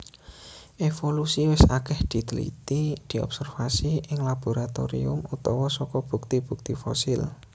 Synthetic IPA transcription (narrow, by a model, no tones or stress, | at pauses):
ʔefolusiwɪsakɛhd̪̥i̤d̪əlḭt̪id̪̥i̤ɔ̰psɛrfasiʔɪŋlab̥o̤ɾat̪o̰ɾḭʊ̰mut̪ɔwɔsɔkɔb̥ṳk̚t̪ib̥ṳk̚t̪ifɔ̰sɪl